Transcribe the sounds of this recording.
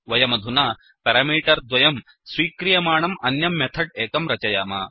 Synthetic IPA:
ʋɐjɐmɐd̪ʱunaː | pɐɾɐmiːʈɐɾd̪ʋɐjɐm | sʋiːkɾijɐmaːɳɐmɐnjɐmːet̪ʰɐɖ̚eːkɐmɾɐt͡ʃɐjaːma̰ː

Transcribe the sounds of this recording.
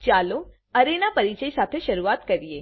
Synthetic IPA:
t͡ʃaːlo | ɐɾenapɐɾit͡ʃəisaːt̪ʰeʃɐɾuaːt̪kɐɾieː

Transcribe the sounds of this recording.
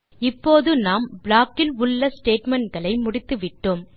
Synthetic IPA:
ɪpːoːðɯnaːmbɭaːkːɪlʊɭːɐsʈeːʈmɛɳʈɡɐɭɐɪmʊɽɪt̪ːɯʋɪʈːom

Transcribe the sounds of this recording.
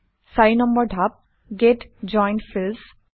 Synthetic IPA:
saɹinɔmbəɹdʱap̚ | ɡetd͡ʒɔjnʈfils

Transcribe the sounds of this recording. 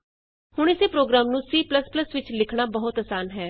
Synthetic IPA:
hʊɳɪseːpɾoːɡɾaːmnũːsiːpləspləsʋɪt͡ʃlɪkʰɳ̃aːbəɦʊt̪əsaːnɦɛː

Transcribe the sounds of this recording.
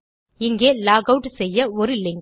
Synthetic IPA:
ɪŋɡeːlaːɣɐʊʈsɛjːɐɔɾɯlɪŋɡ

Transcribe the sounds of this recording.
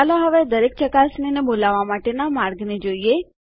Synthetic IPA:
aloɦəʋed̪əɾek̚t͡ʃəkasninebolaʋːamaʈenamaɾɡned͡ʒoie

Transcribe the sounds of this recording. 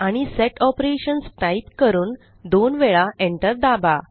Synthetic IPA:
aɽ̃isɛʈɔpɾeɕənsʈaitkəɾuːn | d̪onʋeɭaʔeɳʈəɾd̪aba

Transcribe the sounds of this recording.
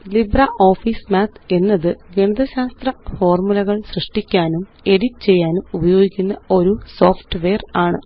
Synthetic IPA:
librɐʔo̞ːfiːsmaːt̪ʰe̞nːɐðɨɡeɳɐðɐɕaːst̪rɐfo̞ːrmulɐɣɐɭsrɨʂʈikʲːaːnum | e̞ɽitːt͡ɕe̞jːaːnumubɐjo̞ːɡikʲːunːɐo̞ɾuso̞ːfʈɨʋeːraːɳɨ

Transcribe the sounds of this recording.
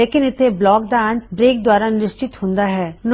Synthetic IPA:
eːkɪnɪt̪ʰːeblɔːk̚d̪aəɳʈbɾeːk̚d̪waːɾanɪʃt͡ʃɪt̪ɦõnd̪aɦɛːn

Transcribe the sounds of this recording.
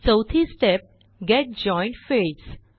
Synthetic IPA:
t͡səwt̪ʰisʈɛp̚ | ɡɛʈ̚d͡ʑɔ̃j̃ɳʈfes

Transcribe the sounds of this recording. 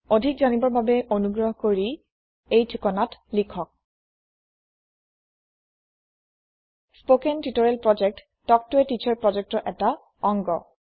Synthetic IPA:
odʱikzanibɔɹbabɛʔonuɡɹɔɦkoɹi | ejtʰukɔnatlikʰɔk̚ | spokɛntitɔɹɛlpɹɔd͡ʒɛk̚tːɔk̚tʊɛtit͡ʃʰɔɹpɹɔzɛk̚tɔʔɛta | ɔŋɡɔ̰

